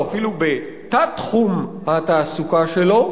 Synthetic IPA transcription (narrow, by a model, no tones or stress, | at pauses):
afilube | t̪at̪χumhat̪aːsukaʃelo̞